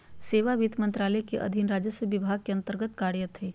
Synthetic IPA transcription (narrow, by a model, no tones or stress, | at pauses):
seːʋaʋid̪mə̃nt̪ɾaːlɛkeʔɐ̰d̪ʱɪnɾaːd͡ʒəsəʋɪbʱaːɡ̚keɐ̃nt̪əɾɡət̪kaːɾjət̪ɦeː